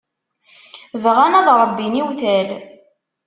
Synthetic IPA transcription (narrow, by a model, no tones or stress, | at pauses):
vʁænæðɾˤəbːiniwθæl